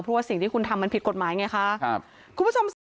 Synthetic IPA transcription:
pʰɔ˦˥waː˥˩si˨˩ŋt̪ʰiː˥˩ku˧nt̪ʰa˧mːa˧npʰi˨˦t̪̚ko˨˩t̪̚maː˨˩˦jŋa˧jkʰa˦˥ | kʰu˧nmbu˥˩o˧ms

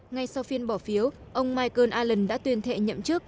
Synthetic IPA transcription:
ŋa˧jsa˧wfi˧ənɓɔ˧˩fi˨˦əw | ʔə˧wŋ͡mmaː˧jkəː˧nʔaː˧lə˨˩nɗa̰ː˧˥t̪wi˧ənt̪ʰḛ˧˨ɲə̰˧˨mt͡ɕɨ˦˥ək̚

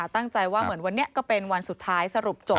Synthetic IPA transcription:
a˨˩t̪a˥˩ŋt͡ɕa˧jwaː˥˩mɯ˩˦ənwa˧nːi˦˥ɐkɔː˥˩pe˧nwa˧nsu˨˩t̪ʰːaː˦˥jsa˧ɾu˨˩p̚t͡ɕo˨˩

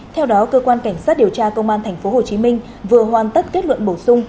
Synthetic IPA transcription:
t̪ʰɛ˧wɗɔ˨˦kəː˧kwaː˧nka˧˩jŋ̟saː˦˥t̚ɗi˨˩əwt͡ɕaː˧kə˧wŋ͡mʔaː˧nt̪ʰɛ˨˩jŋ̟fo˨˦ho˨˩t͡ɕi˨˦mï˧ŋ̟ | vɨ˨˩əɦwaː˨˩nt̪ə˦˥t̚ke˦˥t̚lwə̰˧˨nɓo˧˩sʊ˧ŋ͡m

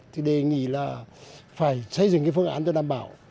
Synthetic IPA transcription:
t̪ʰi˨˩ɗe˨˩ŋḭ˧˩laː˨˩faː˧˩jsə˧˩jzɨ˨˩ŋkaː˨˦fɨ˧əŋʔa̰ː˨˦nt̪o˧˦ɗaː˧˨mɓaː˧˩˦w

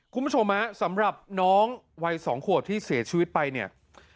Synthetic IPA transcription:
kʰu˧mbu˥o˧mːa˦˥sa˩˦mɾa˨˩p̚nɔː˦˥ŋ | wa˧jsɔː˩˦ŋkʰu˨˩ət̪ʰːiː˥˩siː˩˦t͡ɕʰiː˧wi˦˥t̪̚pa˧jni˥˩ɐ

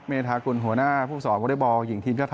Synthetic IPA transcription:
meː˧t̪ʰaː˧ku˧nɦu˩˦ɐnaː˥˩pʰuː˥˩sɔː˩˦mɔ˧˦da˥˩bɔː˧ji˩˦ŋt̪ʰiː˧mt͡ɕaː˥˩t̪ʰ

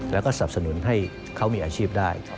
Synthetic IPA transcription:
lɛː˦˥wkɔː˥˩sa˨˩p̚sa˧nu˨˩˦nɦa˥˩j | kʰa˦˥wmiː˧ʔaː˧t͡ɕʰiː˥˩p̚daː˥˩j

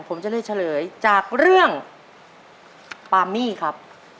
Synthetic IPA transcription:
pʰo˩˦mt͡ɕa˨˩lɯ˧˥˩jt͡ɕʰa˧˩lɤː˩˦jt͡ɕaː˨˩k̚ɾɯ˥˩əŋ | paː˧miː˥˩kʰa˦˥p̚

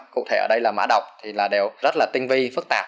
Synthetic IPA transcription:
kṵ˧˨t̪ʰe˧˩əː˧˩ɗə˧jlaː˨˩ma̰ː˧˥ɗə˨˩wk͡p̚t̪ʰi˨˩laː˨˩ɗe˨˩wzə˦˥t̚laː˨˩t̪ï˧ŋ̟vi˧fɨ˦˥k̚t̪aː˨˩

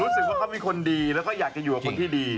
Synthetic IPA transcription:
uː˦˥sɯ˨˩k̚waː˥˩kʰa˦˥wmiː˧kʰo˧ndiː˧lɛ˦˥wkɔː˥˩jaː˨˩k̚t͡ɕa˨˩juː˨˩ka˨˩kʰo˧nt̪ʰiː˥˩diː˧

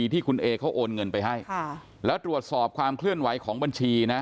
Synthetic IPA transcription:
iː˧t̪ʰiː˥˩kʰu˧nʔeː˧kʰa˦˥wʔoː˧nŋɤ˧npa˧jɦa˥˩jʰ | lɛː˦˥wt̪ɾu˨˩ət̪̚sɔː˨˩p̚kʰwaː˧mkʰlɯ˥˩ənwa˩˦jkʰɔː˩˦ŋba˧nt͡ɕʰiː˧na˦˥

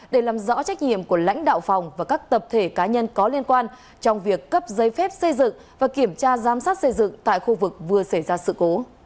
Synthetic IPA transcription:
ɗe˧˩laː˨˩mzɔ̰˧˥t͡ɕa˦˥k̟̚ɲḭ˧˨əmku˧˩əla̰˧˥jŋ̟ɗa̰ː˧˨wfɔ˨˩wŋ͡mvaː˨˩kaː˦˥k̚t̪ə˨˩p̚t̪ʰe˧˩kaː˨˦ɲə˧nkɔ˨˦li˧ənkwaː˧n | t͡ɕɔ˧wŋ͡mvi˨˩əkːə˦˥p̚zə˨˧˦jfɛ˦˥p̚sə˧jzɨ̰˧˨ŋ | vaː˨˩ki˧˩əmt͡ɕaː˧zaː˨˦msaː˦˥t̚sə˧jzɨ̰˧˨ŋt̪a̰ː˧˨jxu˧vɨ˨˩k̚vɨ˨˩əsə˧˩jzaː˧sɨ̰˧˨ko˨˦

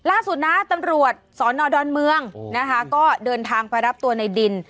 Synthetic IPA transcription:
laː˥˩su˨˩t̪̚na˦˥t̪a˧mɾu˨˩ət̪̚sɔː˩˦nːɔː˧dɔː˧nmɯ˧əŋna˦˥kʰa˦˥kɔː˥˩dɤː˧nt̪ʰaː˧ŋpa˧jɾa˦˥p̚t̪u˧ɐna˧jdi˧n

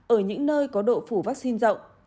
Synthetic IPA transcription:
ʔəː˧˩ɲɨ̰˧˥ŋnəː˧jkɔ˨˦ɗo̰˧˨fu˧˩vaː˦˥k̚si˧nzə̰˧˨wŋ͡m

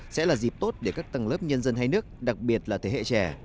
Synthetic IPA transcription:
sɛ̰˧˥laː˨˩zi˨˩p̚t̪o˦˥t̚ɗe˧˩kaː˦˥k̚t̪ə˨˩ŋləː˦˥p̚ɲə˧nzə˧nhaː˧jnɨ˦˥ək̚ɗa˨˩k̚ɓi˨˩ət̚laː˨˩t̪ʰe˧˩hḛ˧˨t͡ɕɛ˨˩

